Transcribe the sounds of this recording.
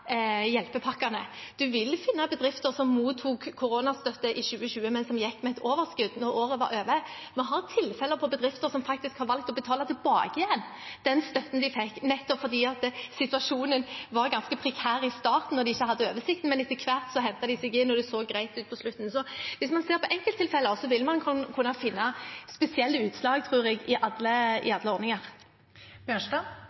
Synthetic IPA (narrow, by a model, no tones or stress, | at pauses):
jɛlpəpʰɑkːɑnəd̪̥ʉʋɪlːfɪnːɑbəd̪ɾɪft̪əsɔmmuːt̪ʰːuːkʰːʊɾoːnɑst̪œt̪ːəʔɪɕʉːəɕʉːəmɛnsɔmjɛkːmɛɛt̪ʰoːʋəɾskʉd̪ːnɔɾoːɾəʋɑ̰ɾøːʋə | mɔɦɑɾt̪ʰɪlfɛləpʰɔbəd̪ɾɪft̪əɾsɔmfɑk̚t̪ɪskhɑɾʁʋɑlk̚t̪ɔbət̪ʰɑːlɑt̪ʰɪlbɑ̰ːɡəɪjɛnː | d̪̥ɛnst̪œt̪n̩d̪ɪfɛkːnɛt̪ːɔpfɔɾd̪iːɑt̪sɪt̪ʉɑʂuːnənʋɑʁɡɑnskəpʰɾɛkʰæːɾɪst̪ɑːt̪n̩ːɔʁɾd̪ɪɪçːəɦɑd̪ːəøːʋəsɪk̚t̪n̩mɛnɪt̪ːəkʰʋæɾt̪sɔɦɛnt̪ɑd̪ɪsɛɡɪnɔd̪ɛsoːɡɾæɪt̪ʉːt̪̚pʰɔslʉt̪n̩sɔʋɪsmɑnseːɾpɔʔɛŋkəlt̪ʰːɪlfɛləɔsɔʋɪlmɑnʰkʰʉnɑfɪnːɑspɛsɪɛlːəʉːt̪slɑːɡt̪ʰɾuːɾɛɡɪʔɑd̪ləɪ̰ɑd̪ləɔɾnɪŋɑʁ | bjøːʂtɑ